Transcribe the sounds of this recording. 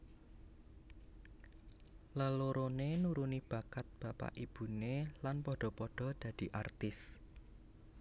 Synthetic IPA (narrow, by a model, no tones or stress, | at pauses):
ləloɾonenuɾunib̥a̤kat̪̚b̥ä̤pa̰ʔib̥ṳnelanpɔɖ̥ɔ̤pɔɖ̥ɔ̤d̪̥ä̤d̪̥i̤ʔart̪ɪs